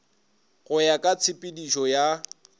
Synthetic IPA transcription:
ɣʊjakʼat͡sʰɪpʼɪdiʃɔja

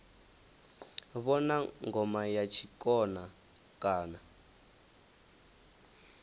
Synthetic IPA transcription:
βɔnaŋɡɔmajat͡ʃʰikɔna | kaːna

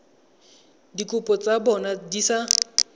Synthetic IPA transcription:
dikʼʊpʼɔt͡sabɔnadisa

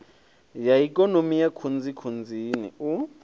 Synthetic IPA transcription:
jaik̬ʼɔnomijakʰund͡zikʰund͡zʱinḭu

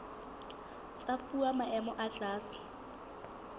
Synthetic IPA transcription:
t͡sʼafuamaʔɛmɔʔat͡ɬaːsɪ̥

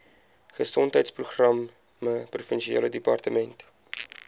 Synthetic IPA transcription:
χəsɔntɦəjtspruχrɐmː | əprufənʃiḛːlədipɑrtəmɛnt

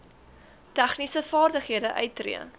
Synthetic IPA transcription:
tæχnisəfɑːrdəχɦiədəʔœ̰ɥtːrḭən

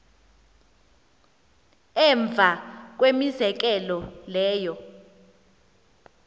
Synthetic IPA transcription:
ɛɱb̪vʱak̬wemizɛk̬ɛlɔlɛːjɔ

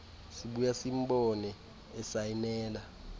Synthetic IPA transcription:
siɓujasimɓɔnɛ | ɛsajinɛːla

